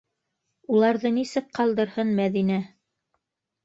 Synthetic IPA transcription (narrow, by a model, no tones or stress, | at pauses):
ulˠɑɾðɤnisɘk̚qɑlˠd̪ɤ̆ɾhɤnmæðinæ